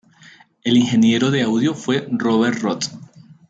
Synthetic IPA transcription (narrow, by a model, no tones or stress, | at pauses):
e̞liŋxe̞nje̞ɾo̞ðe̞awðjo̞fwe̞roβ̞eɾrot̪